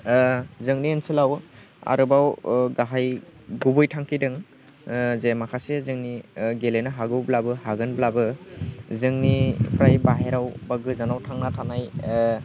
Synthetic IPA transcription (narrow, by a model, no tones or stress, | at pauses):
zɯŋniɯnsɯlaw | a̰ɾɯbawɡaɦajɡubɯjtʰaŋkʰidɯŋ | zemakʰasezɯŋniɡelenaɦaɡɯwblabɯhaɡɯnblabɯ | zɯŋnipʰɾajbaɦeɾawbaɡɯzanawtʰaŋnatʰanaj